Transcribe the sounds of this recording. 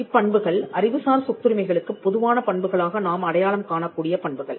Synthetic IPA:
ɪpːɐɳbɯɣɐɭɐɾɪʋɯsaːɾsʊk̚t̪ːɯɾɯmɐɪɣɐɭɯkːɯpːɔðɯʋaːnɐpɐɳbɯɣɐɭaːɣɐnaːmɐɽɐjaːɭɐmkaːɳɐkːuːɽɪjɐpɐɳbɯɣɐɭ

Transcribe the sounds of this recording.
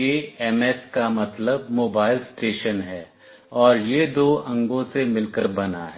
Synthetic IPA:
eɛmɛskamɐt̪ləb̚moːbaːɪlsʈeːʃənɦɛː | ɔːɾjed̪oːɐ̃ŋɡõsemɪlkəɾbɐnaɦɛ

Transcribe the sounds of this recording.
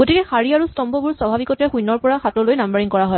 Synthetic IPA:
ɡotikɛxaɹiaɹustɔmbɔbuɹswabʱabikɔtɛxujnːɔɹpɔɹaxatɔlojnambəɹiŋkɔɹaɦɔj

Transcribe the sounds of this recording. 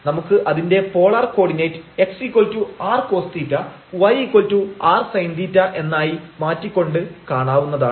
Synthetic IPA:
nɐmukːɨʔɐðinde̞po̞ːɭɐrko̞ːɽinɐjtːɨe̞ksikːoltːuaːrko̞ːst̪itːɐ | ʋɐjikːoltːuaːrsɐjnd̪itːɐʔe̞nːaːjimaːtːikʲːo̞ɳɖɨkaːɳaːʋunːɐða̰ːɳɨ

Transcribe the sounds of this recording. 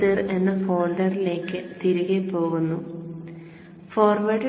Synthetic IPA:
irenːɐfo̞ːlɖɐrile̞ːkːɨt̪iɾuɣepːo̞ːɣunːu | foːrʋɐɖ

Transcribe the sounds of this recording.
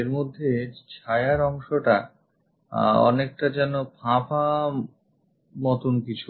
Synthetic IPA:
eɾmod̪ʱːet͡ɕʰajaɾɔŋʃoʈa | ɔ̰nek̚ʈad͡ʑɛnopãpʰa | mɔt̪onkit͡ɕʰu

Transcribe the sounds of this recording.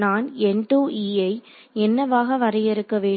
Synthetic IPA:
naːnɛɳɖuːʔiːɐɪ | ɛnːɐʋaːɣɐʋɐɾɐjɪɾɯkːɐʋeː

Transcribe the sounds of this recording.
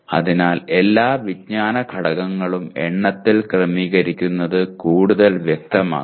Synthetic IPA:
ɐ̰ðinaːle̞lːaːʋid̚ɲaːnɐkʰɐɽɐɣɐŋːɐɭumḛɳːɐt̪ːilkrɐmiːɣɐɾikʲːunːɐðɨkuːɽuðɐlʋjek̚t̪ɐma̰ː

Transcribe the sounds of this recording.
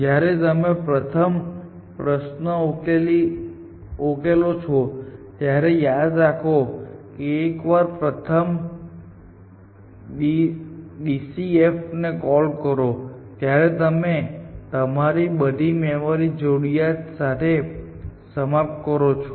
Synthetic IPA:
d͡ʒjaɾet̪əmẽpɾət̪ʰəm | pɾəʃnəokeli | okelot͡ʃʰɔt̪jaɾejad̪ɾakʰokeːkʋaɾpɾət̪ʰəm | iɗisiefnekɔlkəɾot̪jaɾet̪əmet̪əmaɾibəd̪ʱimemoɾid͡ʒoɽijasat̪ʰe | səmap̚t̪̚kəɾot͡ʃʰo

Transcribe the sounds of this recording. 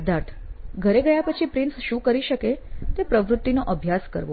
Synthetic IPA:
d̪ʱaɾt̪ʰɡʱəɾeɡəjapət͡ʃʰipɾinsʃũkəɾiʃəket̪epɾəʋɾʊt̪ːinoʔəbʱjaskə̰ɾʋo

